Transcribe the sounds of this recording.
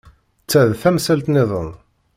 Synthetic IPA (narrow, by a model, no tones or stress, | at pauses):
t͡sːæðθæmsælt̪nɪðˤə̰n